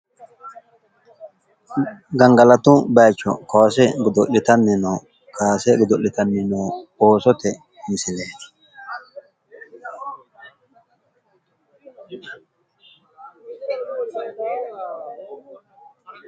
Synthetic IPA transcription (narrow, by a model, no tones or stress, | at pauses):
ɡɐŋɡɐlɐt̪ʊbɐjt͡ʃːɔ̰kawsɛɡʊd̪ɔlːɪt̪ɐnːɪnɔː | kʰaːsɛɡɔd̪ɔʔɪt̪ɐnːɪnoːoːsɔt̪ɛ | mɪsɪleːd̪ɪ̥